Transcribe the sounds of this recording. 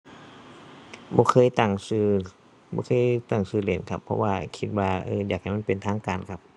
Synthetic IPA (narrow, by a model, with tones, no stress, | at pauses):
bɔː˧˦kʰɤː˧˥˨jt̪a˧˩ŋsɯː˧˩ | bɔ̰ː˧˦kʰɤː˧˥˨jt̪a˧˩ŋsɯː˧˩leː˨˩nkʰa˦˧pʰːɔ̰˧waː˧kʰi˧t̪̚waː˧ʔɤː˧jaː˨˩k̚ha˨˩jm˧˥˨pe˨nt̪ʰaː˧˥˨ŋkaː˨˩nkʰa˧p̚